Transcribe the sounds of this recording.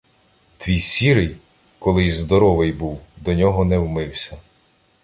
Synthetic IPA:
t̪ʋʲijsʲiɾɪj | kɔlˠɪjzd̪ɔɾɔʋɪjbuwd̪ɔnʲɔɦɔnɛwmɪwsʲɐ

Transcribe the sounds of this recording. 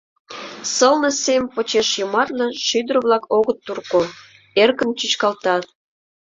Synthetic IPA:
səlnɤ̆semʲpot͡ɕeʃjəmɑrnɤ̆ʃyd̪ərβlɑkoɣət̪ːurko | erkənt͡ɕyt͡ɕkɑlt̪ɑ

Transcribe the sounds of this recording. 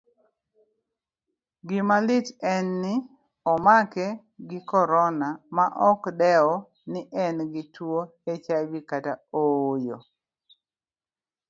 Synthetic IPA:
ɡɪmalɪtɛnːɪ | ɔmakɛ | ɡɪkɔɾɔnamaʔɔkdɛɔ | nɪʔɛnɡɪtwo | et͡ʃajbikataojo

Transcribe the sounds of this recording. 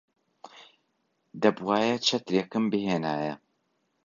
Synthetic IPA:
d̪ɐbwaːjɐt͡ʃʰɐt̪ɾeːkɨmbɨheːnaːjɐ

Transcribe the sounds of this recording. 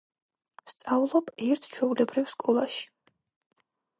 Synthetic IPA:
st̪sʼavlˠɔbɛɾt̪ʰt͡ʃʰwɛulɛbɾifskʼɔlˠaʃi̥

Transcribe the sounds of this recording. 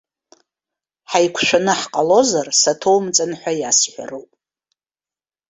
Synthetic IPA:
ħajkʷʰʃʷᶣanɨħqʼalo̞zarsatʰo̞wmt͡sʼanħʷajasħʷa̰rowpʼ

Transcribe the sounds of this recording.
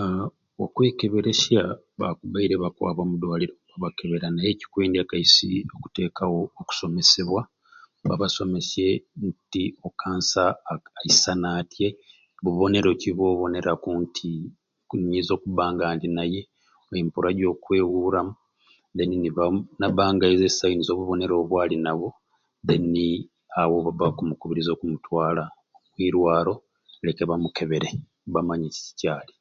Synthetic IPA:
okwe̞ːke̞βe̞ɾe̞sja | βakuβaiɾe̞βakwa̰βamudwaːliɾo̞βaβake̞βe̞ɾanaje̞ːci̥kweːndakaisḭo̞ku̥te̞ːkawoːku̥so̞me̞se̞βwa | βaβaso̞me̞sje̞ntio̞kʰaːnsaːisanatje̞ | βuβo̞ne̞ɾo̞ciβo̞ːβo̞ne̞ɾakuntʰi | ɲizo̞ːkuβaːŋɡaːndinaje̞ | oempuɾaɟo̞ːkweːɣuɾamu | ðeniniβanaβaːŋɡaizesainizo̞ːβuβo̞ne̞ɾo̞βwaːlinaβo̞ | ðeni | awoββakumukuβiɾizo̞ːkumutwaːla | omwiːɾwaːɾo̞ | le̞keβamuke̞βe̞ɾe̞ | βamaɲici̥ci̥caːli

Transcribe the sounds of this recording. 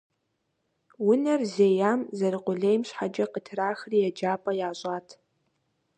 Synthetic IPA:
wʊnɐrzejamzɐɾɨqʷʼʊɮejmɕħad͡ʒɐqətʰraːxrijad͡ʒaːpʼɐjaːɕʼatʰ

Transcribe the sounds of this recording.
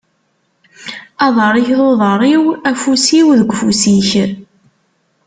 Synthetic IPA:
ɑðˤəɾˤiçuðˤəɾˤiwæfusiwðəɡʷfusiç

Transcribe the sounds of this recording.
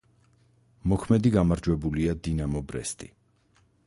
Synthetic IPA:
mɔkʰmɛd̪iɡamaɾd͡ʒwɛbuliad̪inamɔbɾɛ̰st̪ʼi

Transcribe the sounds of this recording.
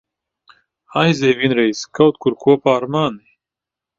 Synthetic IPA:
hajzeːvinɾeiskɐwt̪̚kuɾkʰupaːɾmaːni

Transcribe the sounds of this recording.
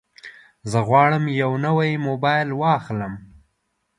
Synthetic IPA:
zəɣwɑɽəmjawnəwajmobɑjlwɑxləm

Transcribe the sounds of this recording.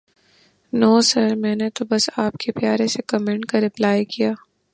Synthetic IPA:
noːsɐɾmɛ̃ːnet̪obɐsaːpkʰepjaːɾẽsekɐmɛ̃ɳʈkaɾɪplaːjkijaː

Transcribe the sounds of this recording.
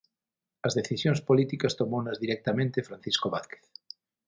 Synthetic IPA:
ɐzðeθisjõŋspolit̪ikɐst̪omownɐzðiɾɛk̚t̪amẽnt̪efɾanθiskoβaθke̥θ

